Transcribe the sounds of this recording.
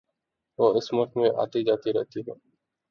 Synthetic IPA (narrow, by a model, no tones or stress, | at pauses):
ʋoːɪsməʈ̪ʰmẽːʔa̰ːt̪id͡ʒaːt̪iɾɛ̰ɦt̪iːɦɛː